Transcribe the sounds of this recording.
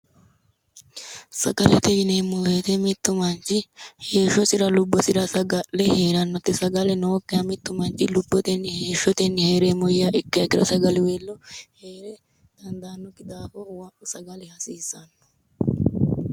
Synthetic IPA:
sɐ̰ɡɐlɛt̪ɛd͡ʒnemːʊleːt̪ɛmɪt̪ːʊmɐnt͡ʃɪheːʃɔsɪɾɐlʊbːɔsɪɾɐsɐɡɐlɛheːɾɐnːɔt̪ːɪsɐɡɐlɛnokːeɐmɪt̪ːʊmɐnt͡ʃɪlʊbːɔt̪ɛnheːʃɔt̪ɛnːɪheːɾemɔjːaʔɪkːɐjɐkɪɾɐ̰sɐɡɐlɪweːlːɔheːɾɛ | d̪̥ɐnd̪aːnːɔkɪd̪aːfowɐʔʊsɐɡɐlɛhɐsiːsɐnːɔ̥

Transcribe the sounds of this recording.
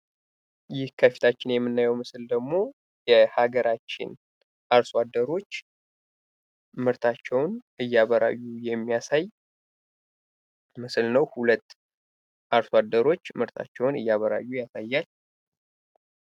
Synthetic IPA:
jɪhkʰəfi̥t̪ʰat͡ʃːɪnjɛmːɨnːajɛwmɨsɨld̪əɡmo̞ | jɛhaɡəɾat͡ʃːɪ̰n | ʔaɾswad̪ːəɾo̞t͡ʃː | mɨɾt̪ʰat͡ʃːɛwnɨjːaβəɾa̰jːujɛmːijasaj | mɨsɨlnəwhulət̪ː | ʔaɾswad̪ːəɾo̞t͡ʃːmɨɾt̪ʰa̰t͡ʃːɛwnɨ̰jːaβəɾa̰jːujasajːal

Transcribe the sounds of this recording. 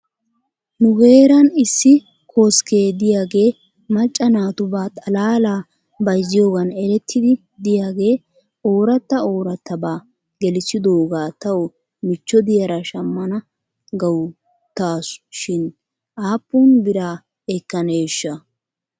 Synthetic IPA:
nʊɡe̞ːɾɐnɪsːɪ | kʰo̞ːske̞ːd̪ɪjaːɡe̞ː | mɐt͡ʃʼːɐnaːt̪ʊbaːt̪ʼɐlaːlaː | bɐjzɪjo̞ːɡɐnɛɾɛt̪ʰːɪd̪ɪ | d̪ɪjaːɡe̞ː | o̞ːɾɐt̪ːɐo̞ːɾɐt̪ːɐbaː | ɡɛlɪsɪd̪oːɡaːt̪ɐwɔ | mɪt͡ʃːɔd̪ɪjɐɾɐʃɐmːɐnɐ | ɡɐw | t̪aːsʃɪn | ʔaːpːunbɪɾaː | ɛkːɐneːʃːɐ

